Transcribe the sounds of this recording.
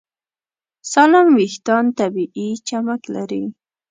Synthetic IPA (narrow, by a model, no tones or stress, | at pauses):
salamwiht̪ɑnt̪abiʔit͡ʃamakla̰ɾi